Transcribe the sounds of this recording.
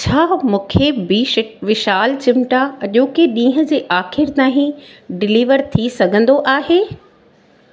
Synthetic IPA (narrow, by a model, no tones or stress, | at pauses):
t͡ɕʰaːmũːkʰebiʋɪʃaːlt͡ɕɪmʈaɐʄõːkɪɗĩːɦə̃d͡ʑeːʔaːxɪɾt̪aːɦĩɖɪliːʋəɾt̪ʰisɐɡʱə̃nd̪oʔaːɦeː